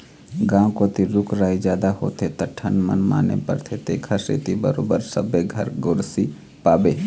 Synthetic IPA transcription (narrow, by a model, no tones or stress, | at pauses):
ɡãːkoːt̪iɾʊkʰɾaːid͡ʒjaːd̪aho̰ːt̪ʰet̪ɐʈʰɐnmə̰nma̰ːnḛpə̰ɾt̪ʰet̪ekʰaɾsḛːt̪ibəɾoːbəɾsəbeɡʱɐɾɡoːɾsi | paːbeː